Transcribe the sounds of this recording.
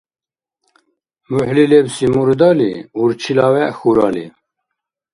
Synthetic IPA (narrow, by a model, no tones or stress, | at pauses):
muħlilebsimuɾd̪ɑːlḭuɾt͡ʃʰilɑːwɛxuɾɑːlḭ